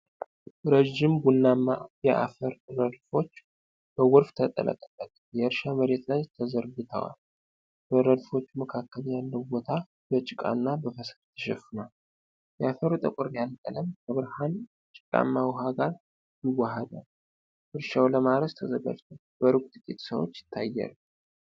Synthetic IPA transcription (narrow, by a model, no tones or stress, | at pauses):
ɾeʒːɪmbunːamːajɛʔa̰fəɾɾəd̪fo̞t͡ʃː | b̥əwɔɾft̪ʰət̪ʼə̰lʔə̰k̪ʼəbʼət̪ | jɛɨɾʃaməɾe̞t̪lajt̪ʰəzəɾɡɨt̪ʰə̰wa̰l | bəɾəd̪fo̞t͡ʃːuməkʰakːəljalːəwbo̞t̪ʰa | bət͡ʃʼɪkʼa̰nːabəfəsɾt̪ʰːəʃɛfɨnal | jɛafəɾut̪ʼəkʼɔɾjalk̪ʼələmkʰəβɨɾhan | t͡ʃʼɪkʼa̰mːawɦaɡaɾ | jɪwːahəd̪a̰l | ʔɨɾʃawləmaɾəst̪ʰəzəɡa̰vt̪ʰəw | bəɾukʼt̪ʼɨkʼit̪səwo̰t͡ʃːjɪ̥t̪ʰːajːa̰l